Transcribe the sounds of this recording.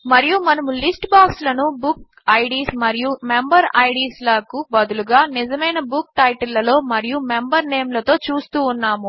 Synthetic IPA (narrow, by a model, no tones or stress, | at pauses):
mɐɾijumɐnɐmulisʈbaːkslɐnubuk | ɐjɖiːsmɐɾijumembɐɾɐjɖiːslɐkubɐd̪uluɡaːnid͡ʒɐmɐjnɐbuk̚ʈɐjʈɐlːɐlo̞ːmɐɾijumembɐɾne̞ːmlɐt̪o̞ːt͡ʃuːst̪uːnːaːmu